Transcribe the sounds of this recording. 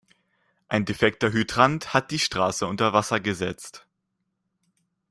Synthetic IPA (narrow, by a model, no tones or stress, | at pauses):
ʔaɪndefɛk̚tɐɦytʁ̥anthat̚d̥iːʃtʁ̥aːsəʊntɐvasɐɡəzɛt͡st